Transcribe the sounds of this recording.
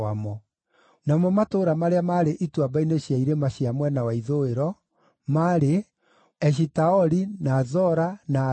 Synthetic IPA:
amɔ | namɔmatoːɾamaɾeamaɾeʔitwabaineɕjaiɾemaɕjamwɛnawaiðoeɾɔ | maɾe | ɛʃ̬itaɔɾinazɔɾana

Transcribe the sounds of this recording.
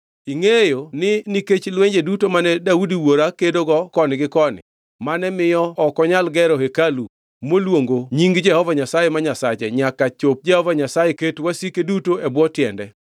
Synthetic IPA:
iŋejonɪniket͡ʃlweɲd͡ʒedutomanɛdaudiwoɾakedoɡɔkɔnɪɡɪkɔnɪ̰ | manɛmɪjɔɔkɔɲalɡɛɾɔɦekalu | molwoŋɡoɲiŋɡd͡ʒɛhɔvaɲasajemaɲasat͡ʃɛ̰ɲakat͡ʃop̚d͡ʒɛhɔvaɲasajeketwasikedutoɛbwɔtjɛndɛ

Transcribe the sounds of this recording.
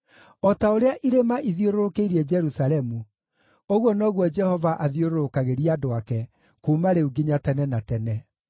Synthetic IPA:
ɔtaoɾeaʔiɾemaʔiðioɾoɾokeiɾiɛd͡ʒɛɾusalɛmu | oɣwɔnɔɣwɔd͡ʒɛhɔvaʔaðioɾoɾokaɣeɾiadoakɛ | kumaɾeuɡiɲatɛnɛnatɛnɛ

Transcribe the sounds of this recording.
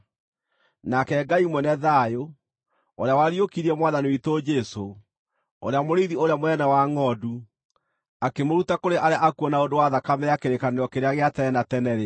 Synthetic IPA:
nakɛːɡaimwɛnɛðajo | oɾeawaɾiokiɾiɛmwaːðaniwitod͡ʒɛso | o̰ɾeamoɾiðioɾeamoɛnawaŋɔdu | akemoɾutakoɾeʔaɾjaʔakuɔnaodowaðakamɛjakeɾekanejɔkeɾeaɣeatɛɛnatɛnɛɾe

